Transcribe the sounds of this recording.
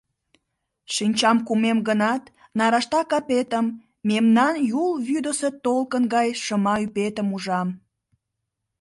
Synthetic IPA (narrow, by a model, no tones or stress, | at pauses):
ʃinʲt͡ɕɑmkumemɡənɑt̪ | nɑɾɑʃt̪ɑkɑpet̪əmː | emnɑnjulβyd̪əset̪olkənɡɑjʃəmɑypet̪əmuʒɑm